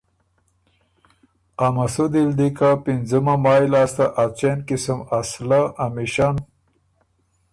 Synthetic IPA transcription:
amɐsud̪ild̪ikapinzumɐmaːjlast̪ɐʔat͡ɕenkisəmaslaʔːmiɕan

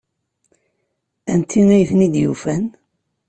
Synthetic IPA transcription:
ænt̪ʰːiŋæjθnid̪jṵfæn

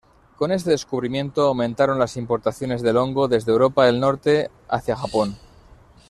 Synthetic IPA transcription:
ko̞ne̞st̪e̞ðe̞skuβ̞ɾimjẽ̞nt̪o̞awmẽnt̪aɾo̞nlasimpo̞ɾt̪aθjo̞ne̞zðe̞lo̞ŋɡo̞ðe̞zðewɾo̞paelno̞ɾt̪e̞ | a̰θjaxapo̞n

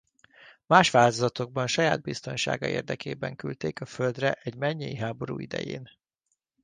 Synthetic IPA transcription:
maːʃʋaːlt̪ozɒt̪o̞ɡ̚bɒnʃɒjaːd̪̚bist̪o̞nʃa̰ːɡɒ̰ʔeːrd̪ɛkeːbɛŋkylt̪eːkɒføld̪rɛʔɛɟmɛɲːejiɦaːbo̞ɾṵːid̪ɛ̰jḛːn

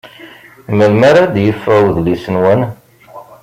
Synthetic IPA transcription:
məlmaɾad̪jəfːæwðlisənwæn

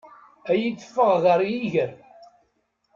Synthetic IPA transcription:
æjit͡sːə̥fːəʁðəɾˤjiʝəɾ

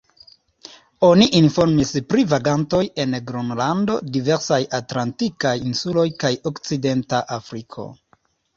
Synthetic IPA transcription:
o̞niʔinfo̞ɾmispɾivaɡanto̞je̞nɡɾonlando̞̰diveɾsajatlantikajinsulo̞jkajo̞kt͡side̞ntaʔafɾikʰo̞̰

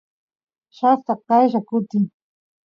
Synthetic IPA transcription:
ʃaft̪ɑɑjʃakʊt̪ɪŋ

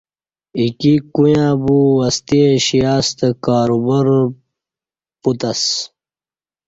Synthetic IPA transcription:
ikikujãːbuwɐst̪ieɕijaːst̪ekaːɾubɐɾ | put̪ɐs

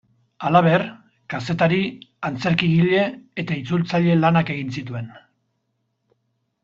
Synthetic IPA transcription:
alaβ̞e̞ɾ | kase̞t̪aɾiant͡se̞ɾkiɣiʎe̞ːt̪ait͡sult͡saʎe̞lanake̞ɣ̞insit̪ue̞n

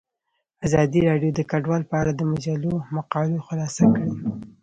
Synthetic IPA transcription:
azɑd̪iɾɑɖjod̪əkaɖwɑlpəaɽad̪əmad͡ʒalomaqɑloxʊlɑsakɽi

